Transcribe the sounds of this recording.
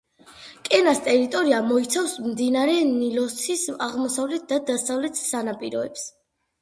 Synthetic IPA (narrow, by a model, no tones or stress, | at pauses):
kʼɛnast̪ʼɛɾit̪ʼɔɾiamɔit̪sʰafsmd̪inaɾɛnilɔsisaʁmɔsavlɛt̪̚ʰd̪ad̪asavlɛt̪ʰsanapʼiɾɔ̰ɛps